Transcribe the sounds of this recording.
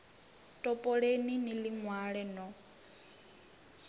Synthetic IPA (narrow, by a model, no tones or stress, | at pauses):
tʼɔpʼɔɺeniniliŋwaɺɛnɔ